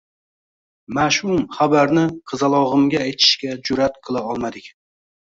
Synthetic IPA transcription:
maʃhʊmχabaɾnɪqʰɨzalˠɒʁɨmɡʲaːjt̪ʰɪ̥ʃkʲad͡ʒʊɾat̪qʰɨlˠaɒlˠmad̪ɪkʲ

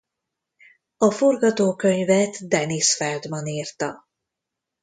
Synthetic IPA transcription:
ɒfo̞rɡɒt̪oːkø̞ɲvɛt̪d̪ɛnisfɛld̪mɒniːrt̪ɒ̰

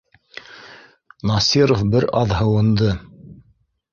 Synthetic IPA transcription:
nɑsiɾofbɘɾɑðɦɤ̆wɤ̆nd̪ɤ

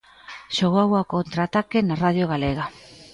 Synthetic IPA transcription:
ʃoɣoawakont̪ɾat̪ake̞naraðjoɣaleɣ̞a

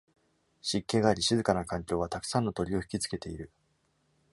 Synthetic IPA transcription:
ɕikːe̞ɡaːɾʲiɕizɨkanakãŋkʲo̞ːβ̞at̪akɯ̥sãnːot̪o̞ɾʲio̞çi̥kʲit͡sɨ̥ke̞t̪e̞iɾɯ̟

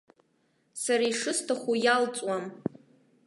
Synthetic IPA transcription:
saɾaiʂɨstʰaχʷujalt͡sʼwam

